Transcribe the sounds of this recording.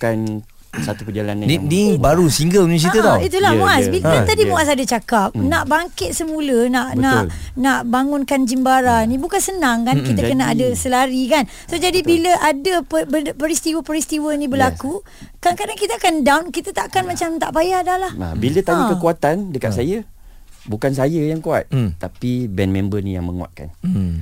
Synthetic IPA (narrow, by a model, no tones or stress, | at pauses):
kan | sat̪upəd͡ʒala̰nainibaɾusiŋɡəlnũs̬iət̪ait̪ulahmuasbikat̪adimuasadət͡ʃakap̚naʔbaŋkɪt̪̚səmũlənaʔnaʔnaʔbaŋʊnkand͡ʒimbaɾanĩbukansənãŋkankit̪əkənaadəsəlaɾikan | sod͡ʒadibiləʔadəpəbəpəɾist̪iwəpəɾist̪iwənĩbəlaku | kaŋkadaŋkit̪aakandawnkit̪at̪aʔkanmat͡ʃamt̪a̰ʔpajadalaha̰bilət̪aɲakəkuat̪andəka̰ʔ̪̚sajə | bukansajəjaŋkua̰t̪̚t̪apibɛnmẽmbənḭja̰ŋmə̰ŋṵwa̰t̪̚ka̰n